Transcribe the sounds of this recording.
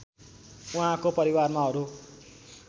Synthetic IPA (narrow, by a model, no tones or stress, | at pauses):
uɦãkopʌɾiwarmaɦʌɾu